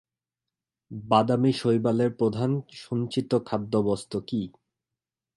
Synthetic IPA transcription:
bad̪amiʃojbaleɾpɾod̪ʱanʃunt͡ɕit̪okʰad̪ːobɔst̪oki

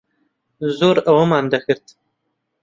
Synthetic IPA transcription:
zoːɾɐwɐmaːnd̪ɐxɨɾt̪

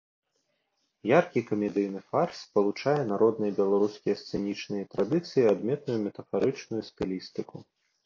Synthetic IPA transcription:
jarkʲikɐmʲɛd̪ɨjnɨfarspɐlˠut͡ʂajɛnaɾɔd̪nɨjɐbʲɛlˠaɾuskʲijɐst̪sɛnʲit͡ʂnɨjɛt̪ɾad̪ɨt̪sɨjiad̪mʲɛt̪nujumʲɛt̪ɐfaɾɨt͡ʂnujust̪ɨlʲist̪ɨku

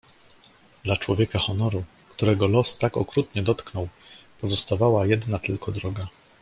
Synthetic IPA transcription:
d̪̥lat͡ʂwɔvʲjɛkaxɔnɔɾu | kt̪uɾɛɡɔlɔst̪akɔkɾut̪ɲɛd̪ɔt̪knɔwpɔzɔst̪avawajɛd̪nat̪ɘlkɔd̪ɾɔɡa

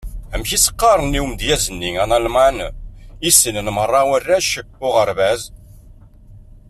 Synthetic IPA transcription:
æmçisə̥qːɑɾˤənːiwmd̪jæzənːiŋænælmænisənənmərˤːɑwərːæʃəkːʊʁəɾvæz

